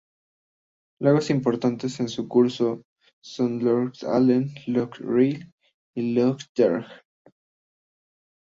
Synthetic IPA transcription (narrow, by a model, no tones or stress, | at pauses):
laɣosimpo̞ɾt̪ant̪ese̞nsukuɾso | so̞nloɾkt̪a̰lenlukril | ilokd̪eɾx